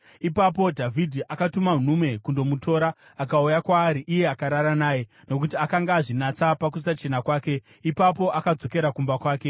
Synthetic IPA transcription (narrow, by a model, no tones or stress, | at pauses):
ipap̬o̞dʱavʱidʱiʔakatuman̤ume̞kundo̞mutʰo̞ːɾa | akaujakwaːɾiʔije̞akaɾaɾanaːje̞ | no̞k̬utiakaŋɡaːʐinat͡sapak̬usat͡ʃe̞nakwaːke̞ | ipap̬o̞ʔakad͡zo̞ke̞ɾakumbakwaːke̞